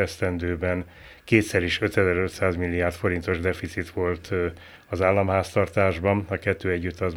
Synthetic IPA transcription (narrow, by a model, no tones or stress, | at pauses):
ɛst̪ɛnd̪øːbɛn | keːt̪sɛɾiʃø̞t̪ɛzɛɾø̞t̪saːzmilːiaːrt̪fo̞ɾint̪o̞ʒd̪ɛfit̪sit̪ʋo̞lt̪ | ɒzaːlːɒmɦaːst̪ɒrt̪aːʒbɒnɒkɛt̪ːøːɛɟːyt̪ːɒz